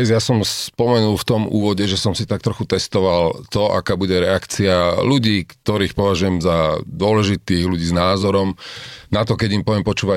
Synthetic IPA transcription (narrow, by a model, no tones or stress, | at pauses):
ɛzjasɔmspɔmɛnulft̪ɔmṵːʋɔɟɛʒɛsɔmsit̪ak̚t̪ɾɔxut̪ɛst̪ɔʋalt̪ɔʔa̰kaːbuɟɛɾɛakt͡sialuɟiːkt̪ɔɾiːxpɔʋaʒujɛmzad̪ʊɔlɛʒit̪iːɣluɟiːznaːzɔɾɔmnat̪̬ɔkɛɟimpɔʋɪɛmpɔt͡ʃuːʋa